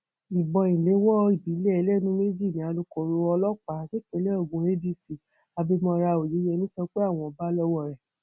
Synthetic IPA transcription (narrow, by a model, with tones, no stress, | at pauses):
i˨bɔ˧ĩ˨le˨˦wɔ˦i˨bi˨˦le˦ɛ˧lɛ˦˨˦nũ˨˦me˦d͡ʒi˦˨nĩ˨˦a˧lo˧kɔ˨ɾo˧ɔ˧lɔ˦k͡pa˨˦ke˦˨ke˨˧˦lɛ˦ɔ˦˨ɡũ˨ɾe˦bi˦˨si˨ | a˨˧bi˧mɔ̃˧ɾa˧o˨je˨˦jɛ˧˦nĩ˦sɔ˧˦k͡pe˦a˦˨w̃ɔ̃˧˨ɔ˨ba˦lɔ˦wɔ˦˨ɾɛ˨